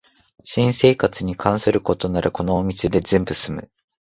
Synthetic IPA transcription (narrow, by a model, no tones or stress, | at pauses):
ɕĩɰ̃se̞ːkat͡sɨɲ̟ikʰãɰ̃sɨɾɯ̟ko̞t̪o̞naɾɯko̞no̞ːmʲised̪e̞zẽ̞mbɯ̟sɨmɯ̟̰